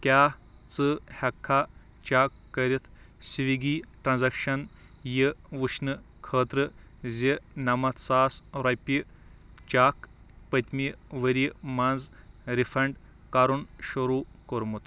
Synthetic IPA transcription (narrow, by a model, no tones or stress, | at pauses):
kʲaː | t͡sɨhɐkʰːa | t͡ʃaːkːɐɾit̪ʰ | siʋiɡiːʈɾɐnzɐkʃɐn | jiʋɨʃnɨ | kʰəːt̪ɾɨ | zʲinɐmɐt̪ʰsaːsɾɐpʲi | t͡ʃaːk | pɐt̪ʲmiʋəɾimanz | ɾifʰɐɳɖ | kaɾunʃuɾuː | koɾmut̪